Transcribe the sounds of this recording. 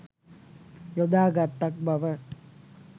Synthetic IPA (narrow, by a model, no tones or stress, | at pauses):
jɔd̪aːɡat̪ːɐk̚bɐʋɐ